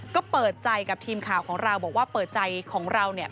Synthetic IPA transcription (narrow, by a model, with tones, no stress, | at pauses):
kɔː˥˩pɤː˨˩t̪̚t͡ɕa˧jka˨˩p̚t̪ʰiː˧mkʰaː˨˩wkʰɔː˩˦ŋɾa˧wbɔː˨˩k̚waː˥˩pɤː˨˩t̪̚t͡ɕa˧jkʰɔː˩˦ŋɾa˧wni˥˩ɐ